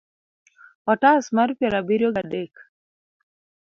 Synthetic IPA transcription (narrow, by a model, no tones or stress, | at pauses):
ɔʈaːsmɐɾpeɾabiɾjoɡaɖeːk